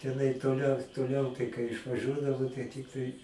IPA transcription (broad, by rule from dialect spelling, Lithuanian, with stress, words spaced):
tʲɛˈnɐɪ toːˈlʲɛʊ toːˈlʲɛʊ tɐɪ kɐɪ ɪʃʋɐˈʒʲuɔdɐʋoː tɐɪ ˈtʲɪktɐɪ